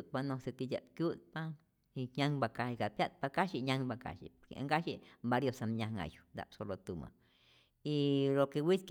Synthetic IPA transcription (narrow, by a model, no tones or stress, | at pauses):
panõset̪ijʲa̰t̪kjut̪̚pa | iɲãŋbakaikapjat̪̚pakaʃiɲãŋbaka̰ʃḭpoɾkḛa̰ŋɡaʃiʔmbaɾjosamɲãŋã̰ju̥nd̪a̰psolot̪umã̰ | ilokewisk